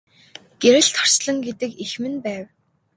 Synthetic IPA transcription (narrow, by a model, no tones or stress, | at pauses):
ɡ̥eɾɘ̆ɬt̪ʰɔ̥r̥sɮə̆ŋɡet̪ɘ̆kixmɘ̆npæːw